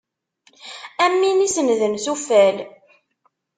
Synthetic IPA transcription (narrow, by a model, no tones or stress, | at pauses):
æmːinisənðənθufæl